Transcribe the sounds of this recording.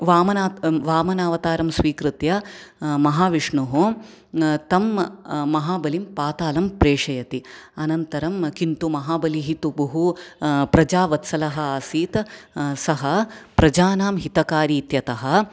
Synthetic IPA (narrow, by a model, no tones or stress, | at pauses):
ʋaːmɐnaːʋaːmɐnaːʋɐt̪aːɾɐmsʋiːkɾɨt̪jɐmɐɦaːʋiʂɳuɦu | t̪ɐmːɐɦaːbɐlimpaːt̪aːlɐmpɾeːʂɐjɐt̪iɐnɐnt̪ɐɾɐmkint̪umɐɦaːbɐliɦit̪ubɐɦupɾɐd͡ʒaːʋɐt̪sɐlɐɦɐaːsiːt̪sɐɦɐpɾɐd͡ʒaːnaːmɦit̪ɐkaːɾiːt̪jɐt̪ɐɦɐ